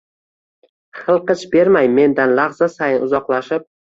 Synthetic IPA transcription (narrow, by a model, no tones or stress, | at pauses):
χɨlˠqɨt͡ʃbe̞ɾmajme̞nd̪anlaʁzasajɪnʊzɒqlˠaʃɪp̚